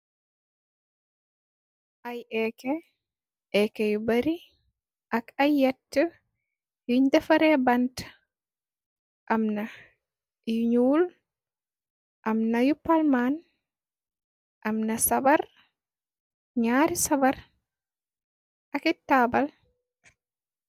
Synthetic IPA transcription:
ʔajɛkɛ | ʔɛkɛjubaɾi | ʔakajːɛtːə | juɲdɛfaɾɛbant | ʔamna | juɲuːl | ʔamnajupalman | ʔamnasabaɾ | ɲaːɾisabaɾ | ʔakɛtːabal

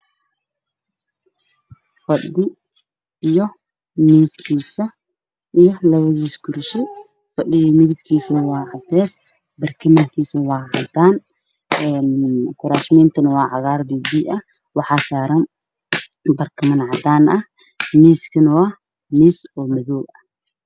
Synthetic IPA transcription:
fɐɗɪ | ijɔ | miːskʰiːsɐ | ʔijɔlɐβɐðiːsɡʊɾʃɪ | fɐɗɪjɐmɪðɪb̚kʰiːsɐwɑːʕɑt̪ʰɛːs | bɐrkʰɐmɐŋkʰiːsɐwɑːʕɑ̰d̪aːn | ɛnkʰʊɾaːʃmɛːnt̪ʰɐnɐwɑːʕɑɣaːrbiːbiːʔɐh | wɑħɑːsaːɾɐn | bɐrkʰɐmɐnʕɑd̪aːnʔɐh | miːskʰɐnɐwaː | niːsɔːmɐðɔːɡɐ̥

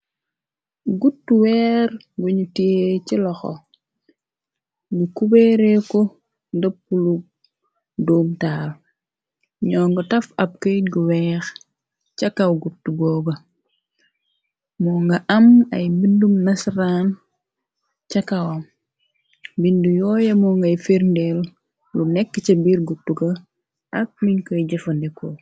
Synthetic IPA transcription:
ɡutːuwɛːɾ | ɡuɲutiecilɔxɔ̰ | ɡukubeɾɛkɔ | dɐpːulu | doːmtaːl | ɲɔːŋɡɔtɐfɐp̚keɡuwɛːx | t͡ʃɐkɐwɡutuɡɔːɡɐ | mɔːŋɡɐʔɐmɐjbindumnɐsɾaːn | t͡ʃɐkɐwɐm | bindujɔːjɐmɔːŋɡɐjfiɾndɛl | lunɛkːət͡ʃɐbiːrɡutːuɡɐ | ɐk̚miɲkɔjɟɐfɐndɛkɔ

